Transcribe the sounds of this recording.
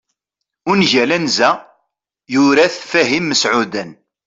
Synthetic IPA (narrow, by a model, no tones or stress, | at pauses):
ʊnʝælænzæ | jʊɾæθfæɦimːəsʕud̪æn